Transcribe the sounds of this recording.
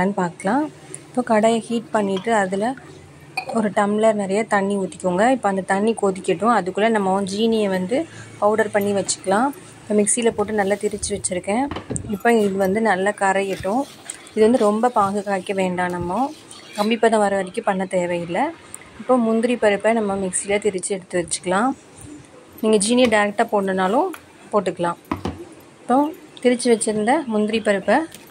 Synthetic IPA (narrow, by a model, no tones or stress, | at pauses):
aːnpaːɾkɐlãː | ɪpːoːkɐɽɐjɐhiːʈ̚pɐɳːɪʈːɯɐðɪlɐ | ɔɾɯʈɐmlɐɾnɪɾɐjɐt̪ɐɳːiʊːt̪ːɪkːʊːŋɡɐɪpːoːɐnd̪ɐt̪ɐɳːikoːðɪkʲːɪʈːʊ̃ɐðɯkːɯlːɐnɐmːɐ̃d͡ʒiːnɪjɐʋɐnd̪ɯpɐʊɽɐɾpɐɳːiʋɐt͡ʃːɯ̥kːɐlãː | ɪpːɐmɪksilɐpoːʈːɯnɐlːat̪ɪɾɯt͡ʃːɯʋɐt͡ʃːɪɾɯkːɛ̃ːɪpːoɪðɯʋɐnd̪ɯnɐlːɐkɐɾɐjɪʈːʊ̃ | ɪðɯʋɐnd̪ɯɾɔmbɐpaːɣɯkaːʈkːɐʋeːɳɖaːnɐmːõ | kɐmbɪpːɐːðɐ̃ʋɐɾɐʋɐɾɪkʲːɯpɐɳːɐt̪eːʋɐjɪlːɐ | ɪpːoːmʊnd̪ɪɾipɐɾɯpːɛnɐmːɐmɪksilɐt̪ɪɾɯt͡ʃːɯɛɽɯt̪ːɯʋɐt͡ʃːɯ̥kːɐlãː | niːŋɡɐd͡ʒiːnɪjɐɖɐjɾɛk̚ʈaːpoːʈnɐnaːlʊ̃ | poːʈ̬ːɯkːɐlãː | ɪpːot̪ɪɾɪt͡ʃːɯʋɐt͡ʃːɪɾɯnd̪ɐmʊnd̪ɪɾipɐɾɯpːɐ